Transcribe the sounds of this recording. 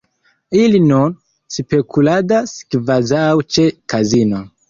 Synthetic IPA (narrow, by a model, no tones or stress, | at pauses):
ilinun | spekʰuladaskvazawt͡ʃekazino